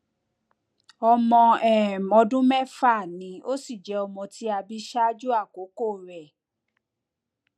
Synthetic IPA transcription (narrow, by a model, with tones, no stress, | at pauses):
ɔ˧mɔ̃˧ɛ˦˨mɔ̃˧dũ˦mɛ˦fa˦˨nĩ˨˧o˦si˦˨d͡ʒɛ˨˦ɔ˧mɔ̃˧ti˦a˧bi˦ʃa˦d͡ʒu˦a˦˨ko˨˦ko˦˨ɾɛ˨